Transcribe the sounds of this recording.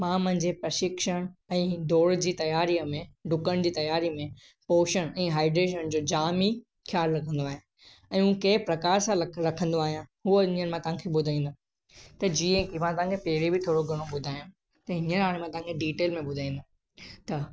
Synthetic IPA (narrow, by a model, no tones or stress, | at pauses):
mãmɐ̃ɦɪ̃ɲd͡ʑepɾɐʃɪkʃəɽ̃ɛ̃ːd̪ʱoːɽd͡ʑiːt̪ɐjaːɾimẽɖʊkəɽ̃d͡ʑiːt̪ɐjaːɾimẽ | poːʃəɽ̃ɛ̃ːɦaːɪɖɾeːʃ̬əñd͡ʑoːd͡ʑaːmi | xʰjaːlɾɐkʰə̃nd̪oaːɦẽ | ɛ̃ːũkɐɪpɾɐkaːɾsãɾɐkʰə̃nd̪oaːɦijãɦuəɲəñmãt̪ɐɦãkʰeɓʊd̪ʱaːĩːnd̪ə | t̪ɐd͡ʑĩːẽkʰemãt̪ɐʋɦãŋkʰepɐɦɪɾebɪt̪ʰoːɽoɡʱɐɽ̃oɓʊd̪ʱaːjã | t̪ɐɦɪɲənaːɽ̃mãt̪ɐʋãŋkʰeɖiːʈeːlmẽɓʊd̪ʱaːĩːnd̪ə | t̪ɐ